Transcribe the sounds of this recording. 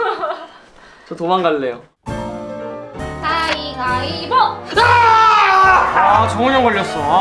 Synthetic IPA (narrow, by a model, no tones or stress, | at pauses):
t͡ɕʌtomaŋɡaɭːe̞jo | t̪aiŋaiboa | at͡ɕʌŋɯɲʌŋɡʌɭːʌs͈ʌ